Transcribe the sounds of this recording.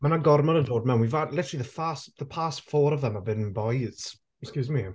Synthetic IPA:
mənaɡɔrmɔnədoːd̚mɛwnwivalˠɪtʰə̥ɹəlˠiðəfastðəpʰastfɔːɾəvðəməbɪnnbɔjɪts | kskjuːzmi

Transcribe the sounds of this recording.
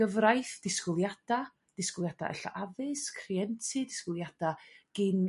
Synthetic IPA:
əvrajθd̥ɪskʊlˠjad̥a | d̥ɪskʊlˠjad̥a̰ʔɛ̰ɬa̰ʔavɪskʰriɛntʰɨdɪskʊlˠjad̥aɡ̥ɪn

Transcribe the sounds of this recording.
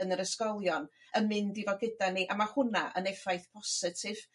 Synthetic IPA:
ənəɾəskɔlˠjɔn | əmɪndivɔɡɪdaniʔamahʊnaʔə̰nɛfajθpʰɔsɪtʰɪv̥

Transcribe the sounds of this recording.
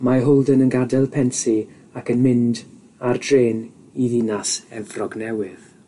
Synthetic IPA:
maɦʊlˠdənənɡadɛlˠpʰɛnti | akənmɪnd | ardreːn | iðinasɛvrɔɡnɛwɪð̥

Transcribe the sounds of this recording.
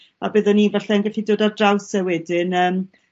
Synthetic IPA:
a̰bɨðɔniːvaɬɛnɡaɬidoːdardrawsɛwɛdɪnəːm

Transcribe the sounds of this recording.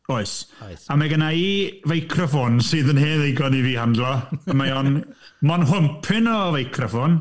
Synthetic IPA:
oɨsamaɡənaivejkʰrəfʊnsɨːðənheːnejɡɔniviːhandlˠɔəmajɔnmɔnɦʊmpʰɪnɔvejkʰrəfʊn

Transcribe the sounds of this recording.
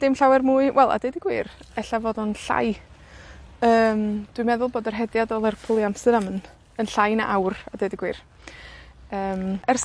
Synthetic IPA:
d̥ɪmɬawɛrmuːɨwʔɛlˠa̰dejdiɡwiːrɛɬavoːdɔnɬa̰j | əːmd̥wimɛðʊlˠboːdərɦɛdjadɔlˠɛrpʰʊlˠiamsɨɾamən | ənɬajna̰ʔawradejdiɡwiːr | əːmɛrs

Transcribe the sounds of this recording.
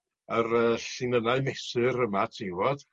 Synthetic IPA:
ərəːɬɪnənaɨmɛsɨɾəmatʰiwɔd̥

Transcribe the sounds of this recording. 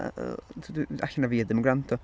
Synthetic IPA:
da̰ɬənaviːad̪ɛmʊɡɾant̪ɔ

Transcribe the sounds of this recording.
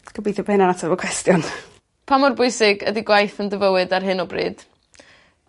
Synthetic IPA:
ɡ̥əbiːθɔbnanatʰavɔkʰwɛstjɔn | pʰamɔrbʊjsɪɡə̰diɡwajθəndəvəwɨdarɦɨnɔbrḭːd̥

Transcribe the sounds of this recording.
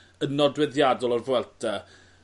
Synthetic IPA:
ənɔdwɛðjadɔlˠɔrvwɛlˠtʰa

